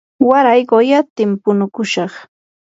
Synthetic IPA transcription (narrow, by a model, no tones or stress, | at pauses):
waɾajɢojat̪ɪmpʊnʊkʊʃɑχ